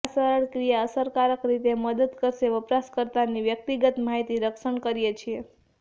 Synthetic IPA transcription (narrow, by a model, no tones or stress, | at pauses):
səɾəɭkɾijaəsəɾkaɾəkɾit̪eməd̪əd̪kəɾʃeʋəpɾaskəɾt̪aniʋjək̚t̪iɡət̪maɦit̪iɾəkʃəɳkəɾijet͡ʃʰie